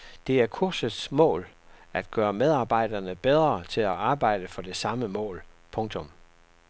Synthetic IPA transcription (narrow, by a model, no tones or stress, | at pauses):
d̥e̝æɐkʰuɐ̰səsmɔ̰̽ːl | æd̥̚ɡ̥ɶːɐmeð̞ˠɑ̈ːb̥ɑ̈ɪ̰d̥ɐnəb̥eð̞ˠʁɐt͡sʰe̝læɑ̈ːb̥ɑ̈ɪ̰d̥əfɒ̽d̥e̝sɑ̈məmɔ̰̽ːl | pʰɔ̽ŋt͡sʰɔ̽m